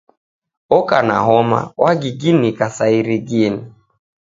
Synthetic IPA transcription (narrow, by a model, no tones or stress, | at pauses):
ɔkana̰ɦɔma̰waɡiɡinikasaiɾiɡini